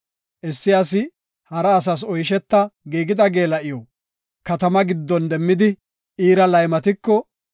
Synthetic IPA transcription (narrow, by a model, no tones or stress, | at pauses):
ʔɛsːɪɐsɪ | hɐɾɐːs̬ɐs̬ɔjʃ̬ɛt̪ːɐɡiːɡɪd̪ɐɡe̞ːlɐʔɪjɔ | kɐt̪ɐmɐɡɪd̪ːɔnd̪ɛmːɪd̪ɪ | ʔiːɾɐlɐjmɐt̪ɪkːɔ